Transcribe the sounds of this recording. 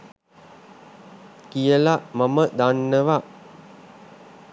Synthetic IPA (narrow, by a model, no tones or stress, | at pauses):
kijəlaʔmaməd̪anːəʋa